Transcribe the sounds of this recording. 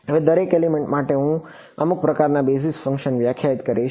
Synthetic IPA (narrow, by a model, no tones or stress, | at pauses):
əʋed̪əɾekelimeɳʈmaʈeɦũ | əmuk̚pɾəkaɾnabes̬isfə̃ŋkʃənʋjakʰjaɦit̪kəɾiʃ